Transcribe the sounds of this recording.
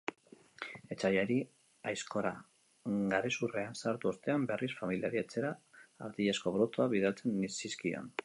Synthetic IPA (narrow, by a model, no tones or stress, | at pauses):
e̞t͡sajaɾi | ajsko̞ɾa | ɡaɾesureansaɾt̪uo̞st̪e̞ambe̞rʔisfamiliaɾiat͡se̞ɾaːɾðiʎasko̞βɾo̞t̪oaβiðalt͡se̞nːisiskio̰n